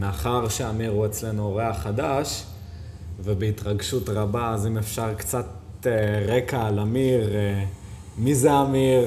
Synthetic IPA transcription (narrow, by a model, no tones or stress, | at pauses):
meaχaʁʃeamiʁue̞t͡sle̞nuoʁeaχad̪aʃ | vebeitʁaɡʃutʁabaːzimefʃaʁkt͡sat̪ | eʁekaːlamiʁ | mizeamiʁ